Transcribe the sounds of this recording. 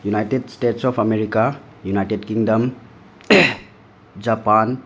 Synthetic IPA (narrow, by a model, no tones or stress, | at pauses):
junajtedsteʈsɔpʰɐmeɾika | junajʈedkiŋdɐm | d͡ʒapan